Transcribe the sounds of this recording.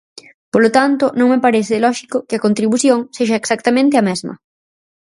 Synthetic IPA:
polot̪ant̪ʊnõŋmepaɾeθɪlɔʃikʊkɪɐkont̪ɾiβuθjoŋseʃɐeksak̚t̪amẽnt̪ɪɐmɛzmɐ̰

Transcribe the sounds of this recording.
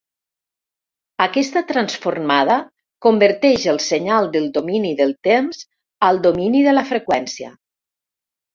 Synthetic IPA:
akɛst̪at̪ɾansformað̞ə | kombəɾt̪ɛʒəlˠsəɲalˠd̪əlˠd̪ominiðəlˠt̪emz | alˠd̪ominiðələfɾəkwɛnsiə̰

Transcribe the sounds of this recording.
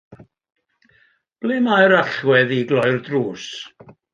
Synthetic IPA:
b̥leːmajɾaɬwɛðiɡlˠɔjrdruːs

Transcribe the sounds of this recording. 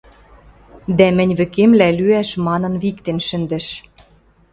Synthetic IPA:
d̪æmɘ̆nʲβɘ̆kemlælyæʃmɑnɤ̆nβikt̪enʃɘ̆nd̪ɘ̆ʃ

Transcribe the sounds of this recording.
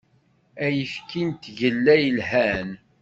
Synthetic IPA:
æjəfkʰint̪ʝəlːæjəlɦæn

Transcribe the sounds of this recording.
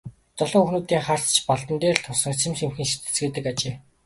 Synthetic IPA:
t͡s̪ɔɮɞ̆ŋɵxnuːt̪iːŋχar̥t͡st͡ɕpɔɮt̪ə̆nt̪eːrt̪ʰʊsə̆ŋt͡sʰemsemxɘ̆nʃe̥t̪ɘ̥̆t͡sɡeːt̪ɘ̆kat͡ɕeː

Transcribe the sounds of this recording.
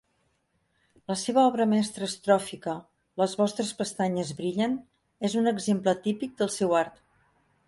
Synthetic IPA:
ləseβəɔβɾəmɛst̪ɾəːst̪ɾɔfikə | ləzβɔst̪ɾəspəst̪aɲəzβɾiʎən | ezunəɡzemplət̪ipik̚d̪əlˠsɛwaɾt̪

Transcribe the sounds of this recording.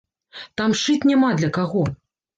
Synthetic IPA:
t̪amʂɨt͡sʲnʲamad̪lʲɐkaɣɔ

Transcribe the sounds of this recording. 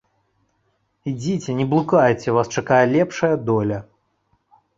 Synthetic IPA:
id͡zʲit͡sʲɛnʲɛblˠukajt͡sʲɛvast͡ʂɐkajɛlʲɛpʂɐjɐd̪ɔlʲɐ

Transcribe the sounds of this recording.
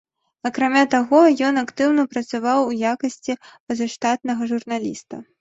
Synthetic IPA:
ɐkɾamʲat̪aɣɔjɔnakt̪ɨwnɐpɾɐt̪savawujakɐsʲt͡sʲipɐzɐʂt̪at̪̚nɐɣɐʐurnalʲḭst̪ɐ

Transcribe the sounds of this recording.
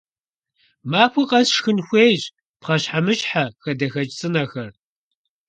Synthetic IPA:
maːxʷʊqʼɐsʂxɨnxʷeːjʑ | pχɐɕħamɨɕħaxɐdɐxɐt͡ʃʼt͡sʼɨnɐxɐr

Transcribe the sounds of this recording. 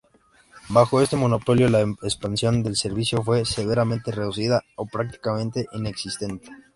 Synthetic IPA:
baxo̞e̞st̪e̞mo̞no̞po̞ljo̞laekspansjo̞nd̪e̞lse̞ɾβisjo̞fwe̞se̞β̞e̞ɾamẽ̞nt̪ere̞ðusiðao̞pɾak̚t̪i̥kamẽ̞nt̪e̞ʔine̞ksist̪e̞nt̪e̥

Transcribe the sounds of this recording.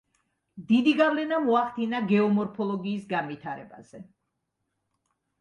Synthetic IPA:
d̪id̪iɡavlɛnamɔaχt̪ʰinaɡɛɔmɔɾpʰɔlˠɔɡiːsɡanvit̪ʰaɾɛ̰ba̰z̥ɛ

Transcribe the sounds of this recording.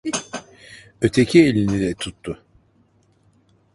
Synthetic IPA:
ø̞t̪ʰecʰielʲinilɛt̪ʰut̪ʰːʊ

